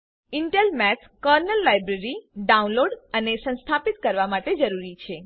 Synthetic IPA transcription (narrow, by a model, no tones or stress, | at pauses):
ɪɳʈelmɛs | kəɾnəlːajbɾeɾiɖaũnloɖənesə̃nst̪ʰapit̪kəɾʋamaʈed͡ʒəɾuɾit͡ʃʰe